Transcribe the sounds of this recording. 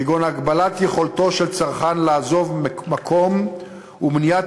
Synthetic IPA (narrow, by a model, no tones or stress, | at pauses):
iɡonaːɡbalat̪je̞χo̞lto̞ʃelt͡saʁχanlaːzo̞vmakʰo̞m | umnija